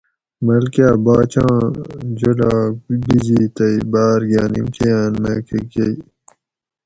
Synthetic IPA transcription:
mɐlkjaːbaːt͡ɕãːd͡ʑolabizit̪ɐibaːɾɡaːnimkʰejaːnmḛːkeɡei

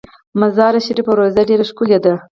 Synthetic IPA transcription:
mazɑɾaʃiɾipəwɾozaɖeɾaʃkuljad̪a

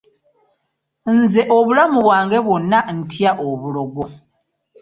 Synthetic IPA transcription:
nze̞ʔoβulamuβwaːŋɡe̞βwo̞nːan̩tʰjaʔoβuloɡo̞

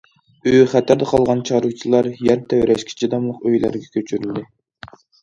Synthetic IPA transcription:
øjχæt̪ʰæɾd̪ɛqʰɑlˠʁɑnt͡ʃʰɑɾut͡ʃʰilˠɑɾjɛnt̪ʰæwɾɛʃkʲʰi̥t͡ʃʰid̪ɑmlˠəqøjlæ̰ɾɡʲɛkʲʰøt͡ʃʰyɾyld̪ɪ

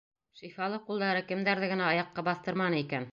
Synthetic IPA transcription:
ʃĭjfɑlˠɤqulˠd̪ɑɾɤkɘ̆md̪æɾðɘɡɘ̆næɑjɑqːɑbɑθt̪ɤ̆ɾmɑnɤikæn

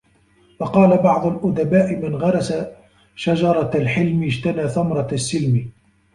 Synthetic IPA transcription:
fɑqɑːlabɑʕd̪ˤʊlʔʊd̪abaːʔɪmanɣɑɾˤɑsa | ʃad͡ʒɑɾˤɑlħɪlmɪd͡ʒt̪anaːθamɾˤɑsːɪlmi

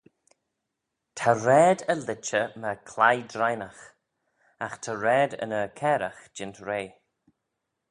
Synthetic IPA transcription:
tʰaɾɛːdəlɪt͡ʃəməkʰlajdɾajnəx | axtʰaɾɛːdə̰nəkʰɛːɾəxd͡ʒɪntɾeː

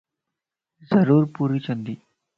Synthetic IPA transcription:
zəɾuːɾpuːɾiːt͡ɕənd̪iː

